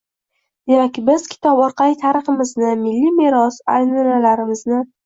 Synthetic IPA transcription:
d̪̥emakʲbɪzkʲʰɪ̥t̪ʰɒpɒɾqʰɑlit̪ʰaɾɨχɪmɪznɪmɪlːimeɾɒsa̰jnɒnalaɾɪmɪznɪ

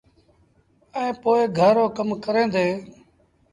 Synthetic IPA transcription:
ɛ̃ːpoːɪɡʱəɾoːkəmkəɾẽːd̪eː

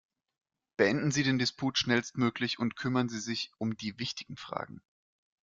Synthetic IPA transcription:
b̥əɛndn̩ziːɾeːndɪspʰuːtʃnɛlstmøːklɪçʊntkʰʏmɐnziːzɪçʔʊmdiːvɪçtɪɡ̥ŋ̩fʁ̥a̰ːɡŋ̩

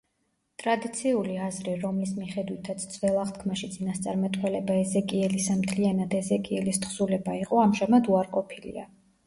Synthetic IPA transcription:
t̪ʼɾad̪it̪sʰiuliazɾiɾɔmlismiχɛd̪wit̪ʰat̪sʰd̪z̥vɛlˠaχt̪kʰmaʃit̪sʼinast̪sʼaɾmat̪ʼwɛlɛbaɛzɛkʼiɛlisamt̪ʰlianad̪ɛzɛkʼiɛlist̪χsulɛbaiqʼɔamʒamad̪uaɾqʼɔpʰilḭa̰

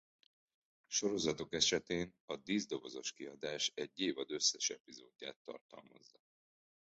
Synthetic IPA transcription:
ʃo̞ɾo̞zɒt̪o̞kɛʃɛt̪eːnɒd̪iːzd̪o̞vo̞zo̞ʃkiɒd̪aːʃɛɟːeːvɒd̪ø̞sːɛʃɛpizoːd̪ːa̰ːt̪ːɒ̰rt̪ɒ̰lmɒ̰zːɒ

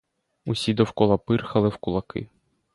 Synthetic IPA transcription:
usʲid̪ɔwkɔlˠɐpɪrxɐlˠɪwkʊlˠɐkɪ̰

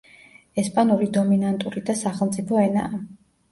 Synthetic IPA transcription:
ɛspʼanuɾid̪ɔminant̪ʼuɾid̪asaχɛlˠmt̪sʼipʰɔɛna̰ː

